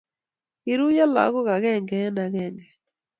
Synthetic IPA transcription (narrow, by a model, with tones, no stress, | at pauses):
i˨ɾu˦ja˦la̰˨˦ɣɔ˦ɣa˨ɣɛ˦˨ŋɡɛ˨˦na˨ɣɛ˦˨ŋɡɛ˨